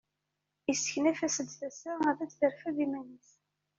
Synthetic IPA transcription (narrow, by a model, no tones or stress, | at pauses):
isə̥çnæfæsəd̪θæsaæðæt͡sːθəɾfæðimænəθ